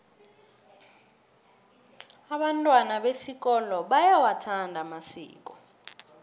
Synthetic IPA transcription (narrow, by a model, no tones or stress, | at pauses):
aɓantʼwanaɓesik̬ʼɔlɔɓajawatʰandʱamasḭːk̬ʼɔ